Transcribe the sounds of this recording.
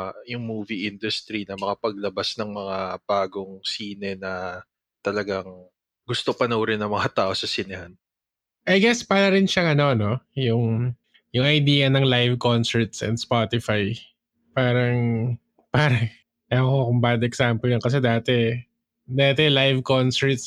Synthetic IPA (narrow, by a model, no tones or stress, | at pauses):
jʊŋmuːviʔɪnd̪ʊst̪ɾinɐmɐkapɐɡ̚lɐbasnɐŋmɐŋab̥aːɡoŋsiːnɛnɐ | t̪ɐlɐɡaŋ | ɡʊst̪opɐnowɾɪnɐŋmɐŋat̪aːʔo̞sɐsɪnɪhan | ʔɐjɡɛspalɐɾɪnʃɐŋɐno̞no̞jʊŋ | jʊŋɐjd̪iːjɐnɐŋlajvko̞nsɛɹt̪sɛ̰nspot̪ɪfaj | paːɾɐŋ | paːɾɐŋ | ɐkokʊmbaːd̪ɛksampɛlɐnkɐs̬ɛd̪aːt̪ɛ | d̪aːt̪ɛlajvkonsɛɹt̪s